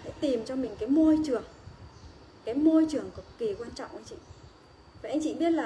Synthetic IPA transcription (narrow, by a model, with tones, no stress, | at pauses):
ha̰˧˥t̪i˨˩mt͡ɕɔ˧mï˨˩ŋ̟kaː˨˦jmo˧jt͡ɕɨ˨˩əŋ | kaː˨˦jmo˧jt͡ɕɨ˨˩əŋkɨ˨˩k͡p̚ki˨˩kwaː˧nt͡ɕɔ̰˧˨wʔa˧˦ŋt͡ɕḭ˧˨ | vaː˨˩ʔa˧jŋ̟t͡ɕḭ˧˨ɓi˦˥ət̚laː˨˩